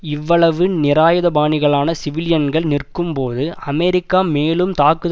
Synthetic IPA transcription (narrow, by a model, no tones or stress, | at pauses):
ɪʋːɐɭɐʋɯnɪɾaːjɐðɐbaːɳɪɣɐɭaːnɐsɪʋɪlɪjɐnɡɐɭnɪrkɯmpoːðɯɐmɛɾɪkːaːmeːlɯmt̪aːkɯð